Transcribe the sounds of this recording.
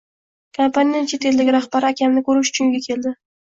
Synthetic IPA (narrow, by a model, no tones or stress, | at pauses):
kʰompanijanɪt͡ʃʰe̞t̪ʰe̞ld̪aɡʲɪɾaχbaɾɪakʲamnɪkʰɵɾɪʃʊ̥t͡ʃʰʊŋɡʲakʲʰe̞ld̪ɪ